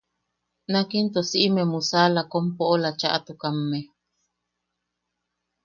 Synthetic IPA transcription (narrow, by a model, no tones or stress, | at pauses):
nakint̪osiʔimemusalakompoʔolat͡ʃaʔat̪ukamːe